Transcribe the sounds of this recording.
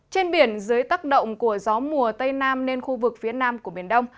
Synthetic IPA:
t͡ɕe˧nɓi˧˩ənzɨ˨˦jt̪aː˦˥k̚ɗə̰˧˨wŋ͡mku˧˩əzɔ˨˦mu˨˩ət̪ə˧jnaː˧mne˧nxu˧vɨ˨˩k̚fi˨˦ənaː˧mku˧˩ɓi˧˩ənɗə˧wŋ͡m

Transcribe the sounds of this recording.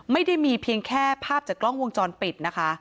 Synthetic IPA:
ma˥˩jda˥˩jmiː˧pʰi˧əŋkʰɛː˥˩pʰaː˥˩p̚t͡ɕaː˨˩klɔ˥˩ŋwo˧ŋt͡ɕɔː˧npi˨˩t̪̚na˦˥kʰa˦˥

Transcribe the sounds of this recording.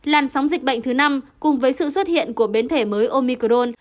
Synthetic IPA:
laː˨˩nsa˨˦wŋ͡mzï˨˩k̟̚ɓə̰˧˨jŋ̟t̪ʰɨ˨˦na˧mkʊ˨˩ŋ͡mvəː˨˦jsɨ̰˧˨swə˦˥t̚hḭ˧˨ənku˧˩əɓe˨˦nt̪ʰe˧˩məː˨˦jʔo˧mi˧kə˧ɗo˧n

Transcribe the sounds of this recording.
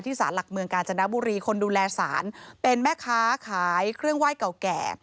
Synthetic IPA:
t̪ʰiː˥˩sa̰ː˩˦nla˨˩k̚mɯ˧əŋkaː˧nt͡ɕʰa˧na˦˥buː˧ɾiː˧kʰo˧nduː˧lɛː˧sa̰ː˩˦npe˧nmɛː˥˩kʰaː˦˥kʰaː˩˦jkʰɾɯ˥˩əŋwaː˥˩jka˨˩wkɛ̰ː˨˩

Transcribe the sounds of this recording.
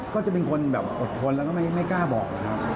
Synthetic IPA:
kɔː˥˩t͡ɕa˨˩pe˧nkʰo˧nbɛː˨˩p̚ʔo˨˩t̪ʰːo˧nlɛ˦˥kɔː˥˩ma˥˩jma˥˩jkaː˥˩bɔː˨˩k̚na˦˧˩kʰa˦˥p̚

